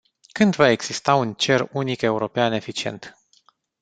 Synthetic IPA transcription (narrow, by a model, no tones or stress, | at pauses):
kɨnd̪vae̞ɡz̥ist̪aunt͡ʃe̞runike̞uɾo̞peane̞fit͡ʃie̞̰nt̪